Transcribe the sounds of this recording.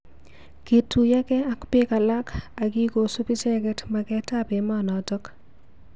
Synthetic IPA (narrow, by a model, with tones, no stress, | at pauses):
ke˨tʰu˨ja˦kɛ˦a˦kpe˦ka˨la˦ka˨ki˦ko˨su˦pi˦sɛkɛtmakɛtape˨manɔ˨tɔk